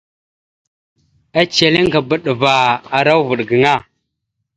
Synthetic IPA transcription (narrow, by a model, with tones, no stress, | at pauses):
a˦t͡ʃe˨li˦ŋɡa˨bə˦ɗə˨va˨a˨ɾa˦wvu˨ɗɡə˨ŋa˦˨